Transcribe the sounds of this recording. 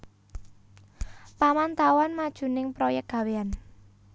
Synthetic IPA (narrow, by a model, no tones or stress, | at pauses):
pamant̪awanmad̥ʒ̥ṳnɪŋpɾojɛk̚ɡ̥ä̤wean